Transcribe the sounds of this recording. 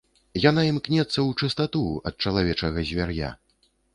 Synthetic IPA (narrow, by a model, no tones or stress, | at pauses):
jan̪aimknʲɛt̪sːɐwt͡ʂɨst̪at̪uɐ̰t̪̚t͡ʂɐlˠavʲɛt͡ʂɐɣɐzʲvʲarja̰